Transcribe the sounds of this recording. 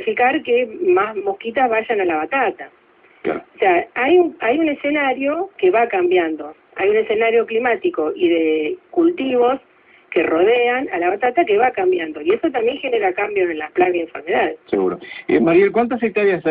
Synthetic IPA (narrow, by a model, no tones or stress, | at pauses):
fikaɾkemazmo̞hkit̪̬azβaʒanalaβat̪at̪a | ka̰oseaajuajune̞se̞naɾjo̞keβakambjand̪o̞ | ajune̞se̞naɾjo̞klimat̪iko̞ʔiðekult̪iβo̞s | ke̞ro̞ð̞eanalaβat̪at̪ake̞βakambjand̪o̞ie̞sot̪ambje̞ŋxe̞ne̞ɾakambjo̞se̞nlasplaɣaeɱfeɾme̞ðaðseɣṵɾo̰ḛmaɾjelkwant̪asik̚t̪oɾjas